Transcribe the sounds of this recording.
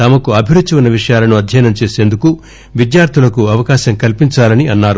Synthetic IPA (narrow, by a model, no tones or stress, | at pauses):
t̪ɐmɐkuɐbʱiʋɾud̪ʱːt͡ʃiunːɐʋiʂɐjaːlɐnuɐd̪ʱjɐjɐnɐmt͡ʃe̞ːse̞ːnd̪uku | ʋid̪jaːɾt̪ʰulɐkuɐʋɐkaːʃɐmkɐlpiɲt͡ʃaːlɐniɐnːaːɾu